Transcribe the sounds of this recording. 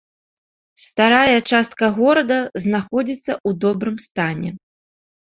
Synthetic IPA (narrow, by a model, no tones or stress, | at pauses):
st̪aɾajɐt͡ʂast̪kɐɣɔɾɐd̪ɐznaxɔd͡zʲit̪sːɐud̪ɔbɾɨmst̪anʲɛ̰